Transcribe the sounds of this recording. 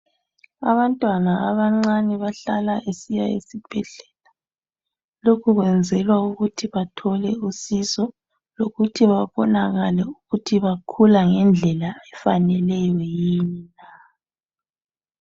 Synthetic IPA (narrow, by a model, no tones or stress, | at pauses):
a̰βantʼwanaaβaŋ͡ǀaniβaɬalaʔesijaḛsib̥ʱɛɮɛla | lokʰuɣwɛnd͡zʱɛlwauɣutʰiβatʰɔlɛusisɔ | loɣutʰiβaβɔnaɣalɛuɣutʰiβakʰulaŋɛnd͡ɮʱɛlaɛfanɛlɛjɔjiːnina